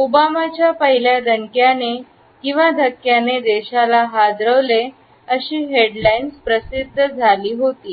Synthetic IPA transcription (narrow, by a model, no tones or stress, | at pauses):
obamat͡ɕjapəɦiljad̪əɳkjane | kĩw̃ʋad̪ʱəkːjaned̪eɕalaɦad̪ɾəʋle | əɕiːɦeɽlainspɾəsid̪ʱːəd͡zʱaliːɦot̪iː